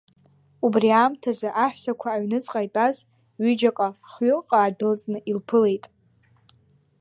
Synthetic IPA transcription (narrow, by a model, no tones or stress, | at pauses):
ubriamtʰazaʔaħʷᶣsakʷʰaːɥnɨt͡sʼqʼajtʼaz | ɥʏd͡ʒakʼaχɥʊqʼaːbɪlt͡sʼnɨʔilpʰɨle̞jtʼ